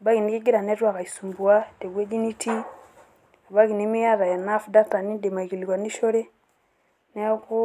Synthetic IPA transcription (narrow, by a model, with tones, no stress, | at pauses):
a˨ba˦ɣi˨ni˦ki˦ɡi˦ɾa˨nɛ˦twa˨ka˨i˨su˨mbu˨a˦˨tɛ˨ɡɛ˦d͡ʒi˦ni˦ti˦ | a˨βa˦ki˨ni˨˦me˦ja˦ða˨ja˨na˦fda˦ta˨ni˦nde˨ma˨i˨ki˨li˨kwa˨ni˦ʃo˦ɾe˦ | nɛ˦ko˦